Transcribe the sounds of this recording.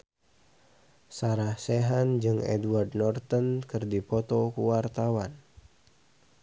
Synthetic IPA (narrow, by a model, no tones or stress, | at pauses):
saɾahsɛɦand͡ʒɨŋɛ̰dwardnɔrt̪ɔnkɨrdipɔt̪ɔkuwart̪awan